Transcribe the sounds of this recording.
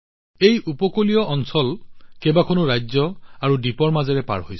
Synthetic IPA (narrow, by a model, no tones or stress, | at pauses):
ejʔupɔkolijɔʔɔnsɔlkebakʰɔnʊɹajzɔaɹudipɔɹmazɛɹɛpa̰ɹhojs